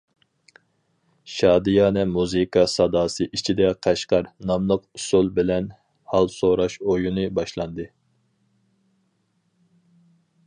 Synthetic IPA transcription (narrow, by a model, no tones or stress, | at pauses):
ʃɑːd̪ijɑːnɛmuzɨkʰɑsɑd̪ɑːsɨʔit͡ʃʰid̪ɛqʰɑʃqɑɾnɑmlˠəqusulˠbɪlɛn | hɑlˠsoɾɑʃojunɨbɑʃlˠɑnd̪ɨ